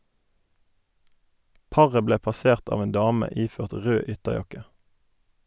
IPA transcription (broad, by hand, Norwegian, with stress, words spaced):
ˈpɑʁə ˈbleː pɑˈseːʁt ˈɑːʋ ˈeːn ˈdɑːmə ˈiːføːʁt ˈʁøː ˈʏtəˌjɑkə